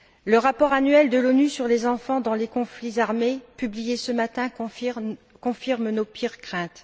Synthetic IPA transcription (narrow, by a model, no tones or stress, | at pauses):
ləʁapɔʁanɥɛld̪əlonysyʁlezɑ̃fɑ̃d̪ɑ̃lekɔ̃flizaʁmepyblijesəmat̪ɛ̃ | kɔ̃fiʁmnopʰyʁkχɛ̃t̪